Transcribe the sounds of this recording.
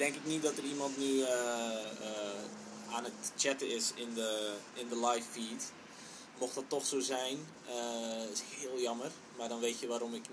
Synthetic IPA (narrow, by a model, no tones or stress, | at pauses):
d̥ɛŋkɪknit̚dɔtərimɑntny | aːnətt͡ʃɛtəɪsɪndəɪndəlajfːiːt | moxtdɔtːɔxsoːzɛjn | əshɪəlˠjɔmər | mardɔnʋeːtjəʋaːɾɔmɪk